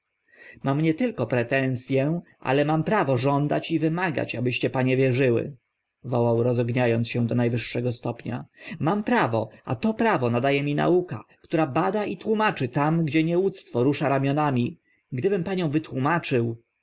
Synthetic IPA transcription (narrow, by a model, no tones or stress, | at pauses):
mamɲɛt̪ɘlkɔpɾɛt̪ɛ̃w̃sʲjɛʔa̰lɛmampɾavɔʐɔnd̪at͡ɕivɘmaɡa̰t͡ɕabɘɕt͡ɕɛpaɲɛvʲjɛʐɘwɘ̰ | vɔwawɾɔzɔɡɲajɔnsɕɛ̃d̪ɔnajvɘʂːɛɡɔst̪ɔpɲa̰mampɾavɔa̰t̪ɔpɾavɔnad̪ajɛmʲina̰uka̰kt̪uɾabad̪aʔit̪wumat͡ʂɘt̪amɡd͡ʑɛɲɛwut̪st̪fɔɾuʂaɾamʲjɔnamʲi | ɡd̪ɘbɘmpaɲɔ̃w̃vɘt̪wumat͡ʂɘw